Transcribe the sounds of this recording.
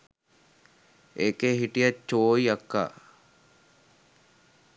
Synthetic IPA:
eːkeɦiʈijat͡ʃːoːiakːa̰ː

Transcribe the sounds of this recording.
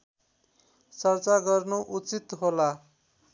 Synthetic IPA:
t͡sʌrt͡saɡʌrnuʔut͡sit̪ɦola

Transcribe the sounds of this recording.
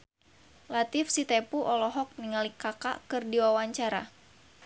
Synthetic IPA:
lat̪ɪfsit̪epuʔɔlɔɦɔk̚niŋalikaka̰kɨrdiwawaɲt͡ʃaɾa

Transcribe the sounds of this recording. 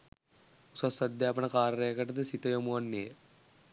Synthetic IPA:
usɐsɐd̪jaːpɐɳɐkaːɾɐɾejkɐʈɐd̪əsit̪ɐjomuʋɐnːeː

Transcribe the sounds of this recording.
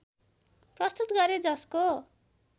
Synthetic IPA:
prʌst̪ut̪ɡʌɾed͡zʌsko

